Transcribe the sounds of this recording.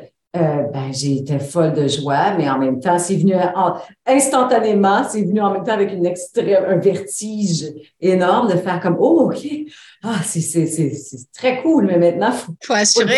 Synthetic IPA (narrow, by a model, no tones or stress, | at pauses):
øbɛ̃ʒet̪ɛfɔld̪əʒwamɛɑ̃mɛ̃mt̪ɑ̃sɛvnyʔɑ̃ɛ̃st̪ɑ̃t̪anemɑ̃sɛvnyɑ̃mɛ̃mt̪ɑ̃avɛkynɛkst̪ʁɛmɛ̃vɛʁt̪iʒ | enɔʁmd̪əfɛːʁkɔmookʲʰe | asɛsɛsɛsɛt̪χɛkʰulmɛmɛ̃t̪̚nɑ̃fofoas